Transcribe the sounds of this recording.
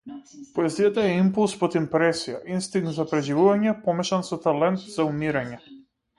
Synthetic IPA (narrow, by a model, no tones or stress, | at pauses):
poɛzijat̪aɛimpulˠspɔt̪impɾɛsija̰ʔinst̪iŋkt̪zapɾɛʒivuvaɲɛpɔmɛʃansɔt̪alɛnt̪zaumiɾaɲɛ